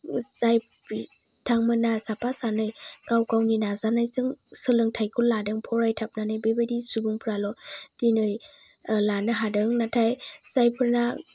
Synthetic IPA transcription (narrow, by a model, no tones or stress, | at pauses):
zaj | i | tʰaŋmɯnasapasanɯjkawkawninazanajsɯŋsɯlɯŋtʰajkʰulladɯŋpʰɔɾajtʰap̚nanɯjbebadisubuŋpʰɾalɔd̥inɯj | lanɯɦadɯŋnatʰajsajpʰɯɾna